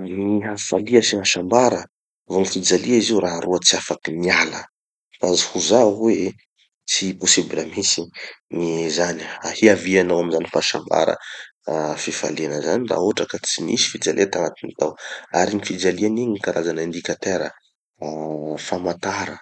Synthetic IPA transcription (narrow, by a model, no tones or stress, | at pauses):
niɦafaliəsiɦaʃambaɾə | vonifid͡zaliaiziuraɦaɾuət͡siafakinialə | fazihuzawe | t͡siposiblamisinizaniahiavianawaminzanifaʃa̰mba̰ɾə̰ | fifa̰lianəzanira̰oʈ͡ʂəkat͡simisi̥fid͡zalʔiat̪aŋat̪init̪awa̰ɾinifid͡zalianiɲkaɾʔazanaind̪ikʲat̪eɾə̰ | famat̪aɾə